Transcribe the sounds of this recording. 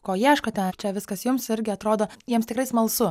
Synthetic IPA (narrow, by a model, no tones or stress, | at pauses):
koːjiʃkot̪ʲɛnt͡ʃʲɛʋʲɪskɐsjʊmsɪɾʲɡʲɪɐt̪ɾoːd̪oːjiɛmst̪ʲɪkrɐɪsmɐlˠsʊ